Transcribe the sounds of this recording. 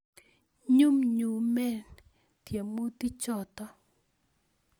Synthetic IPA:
ɲu˦mɲu˨mɛ˦˨n | t̪je˨mo˦t̪i˦t͡ʃɔ˦˨t̪ɔ˦

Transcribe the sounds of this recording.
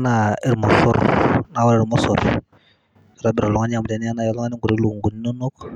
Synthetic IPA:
na˨ɛ˦ɾmɔ˨sɔ̰˦ɾna˨˦wa˦ɾɛ˦˨ɾmɔ˦sɔ˨ɾ | sɔ˨ɾa˦bi˨ɾa˨lɔ˨ŋa˦n˦a˨mu˨da˦ni˦a˦na˦ja˨lɔ˦ŋa˦ni˦ɡu˨ɾi˦lu˨ŋɡu˨ni˦no˦nu˦k

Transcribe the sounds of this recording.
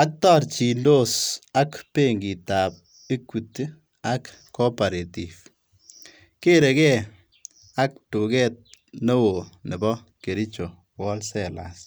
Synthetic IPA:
a˦k̚tɔ˦ɾt͡ʃi˨ndo˦˨sa˦kpe˦ŋɡi˨ta˨p̚ | i˦kːu˨t | a˦k | kːɔ˦pa˨ɾe˨tif | ke˦ɾe˨kɛ˦ | a˦k̚tu˨kɛ˦t̚no˦wo˨nɪ˨bɔ˦ | ke˨ɾi˦t͡ʃo˨ | wɔ˦lsɛla̰s

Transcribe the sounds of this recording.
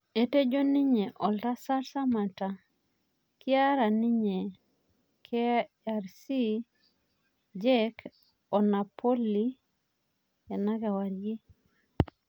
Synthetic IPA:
e˨te˦d͡ʒo˦ni˦ɲe˨ʔɔ˨lɾa˦sa˦sa˦ma˨ta˨ | ki˦a˦ɾa˨ni˦ɲe˨ | kʰe˦ | aɾsi˦ | d͡ʒe˦k | ɔ˨na˨po˦li˦ | e˨na˦ɡa˨wa˨ɾje˦

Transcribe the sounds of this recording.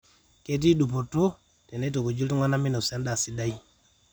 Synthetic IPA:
ke˦t̬i˦ɗu˨po˨to˦ | tɛ˨ne˦t̬o˨ko˨d͡ʒi˦ltu˦ŋa˦na˦mi˦no˨sa˦nda˨si˦da˦i˦

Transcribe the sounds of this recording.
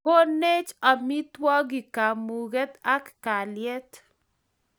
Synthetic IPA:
ko˦ne˦t͡ʃa˨mi˦twɔ˦ɡɪ˨ka˨mu˨ɡɛ˦t̪a˦kːa˨ljɛ˦t

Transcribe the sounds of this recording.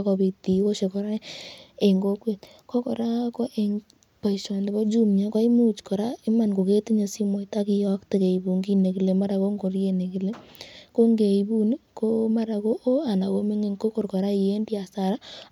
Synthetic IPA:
kɔ˨bi˨t̪i˨o˦ʃe˨kɔ˨ɾa˦e˨ŋɡo˦kwe˨t | kɔ˦kɔ˨ɾa˦kɔ˦ʔe˨ŋ | pa˨i˨ʃwa˨nde˨bɔ˦d͡ʒu˦mɲa˦ka˦i˦mu˦t͡ʃkɔ˨ɾa˦e˦ma˨nko˨ke˦ti˦ɲo˨si˦mɔ˨i˨ta˦ki˨jɔ˦kte˨ke˨i˨bu˨ŋɡi˦ne˨ki˨le˨ma˦ɾa˨ko˦ŋɡo˨ɾje˨ne˨ki˨le˦ko˦ŋɡe˨i˨bu˦ni˦ko˦ma˦ɾa˨ko˦ʔo˦a˨na˨wo˦me˦ŋe˦ŋko˦ko˦ɾkɔ˨ɾa˦i˨je˦ndi˦a˨sa˨ɾa˦

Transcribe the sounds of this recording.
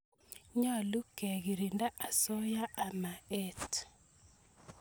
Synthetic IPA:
ɲa˦˨lu˦kɛ˨ɣi˨ɾi˨nda˦ʔa˨sɔ˦ja˦ʔa˨ma˨ɛ˦t

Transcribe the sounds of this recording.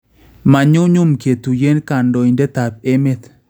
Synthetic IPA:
ma˨ɲʊ˦ɲʊ˦mke˨t̪u˨je˦nka˨ndo˨i˨ndɛ˦t̪a˨p̚e˦me˦t̪

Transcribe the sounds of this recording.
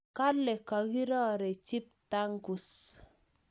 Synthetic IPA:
ka˦lɛ˨ka˨ɡi˦ɾɔ˦ɾɛ˨t͡ʃi˦p̚ta˦ŋku˨s

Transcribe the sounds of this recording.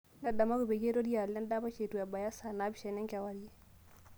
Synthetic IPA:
na˨da˨ma˦ɡu˨be˨ɡe˦ɾo˦di˦ja˨lːɛ˦nda˦ba˦ʃe˨tu˨ɛ˨ba˨ja˦sa˨na˦bi˨ʃɛ˨nɛ˦ŋka˨wa˨ɾji˦

